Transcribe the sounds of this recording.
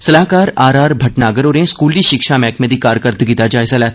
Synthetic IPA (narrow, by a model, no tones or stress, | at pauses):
sɐlaːɦkaːɾaːɾaːɾbʱɐʈnaːɡəɾoːɾẽskuːliʃɪkʃamɛːkmẽd̪ʱikaːɾkəɾt̪ɡit̪ad͡ʒaːjsɐlɛː